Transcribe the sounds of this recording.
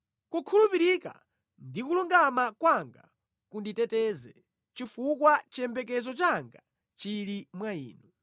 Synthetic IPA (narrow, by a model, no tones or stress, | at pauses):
kukʰulupiɾika̰ | ndikuluŋɡamakwaŋɡa̰ | kunditɛtɛzɛ | t͡ʃifukwat͡ʃɛmbɛkɛzɔt͡ʃaŋɡa | t͡ʃiɾimwaḭːnɔ